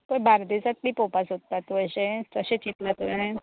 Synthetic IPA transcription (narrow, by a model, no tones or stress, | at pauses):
pəbʱaɾd̪isat̪liːpopasɦot̪ːat̪ʋəɕẽəɕẽt͡ɕit̪lat̪uẽ